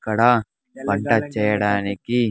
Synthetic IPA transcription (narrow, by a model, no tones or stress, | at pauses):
kːɐɽɐ | pɐɳʈɐt͡ʃːɛjɐɽaːniki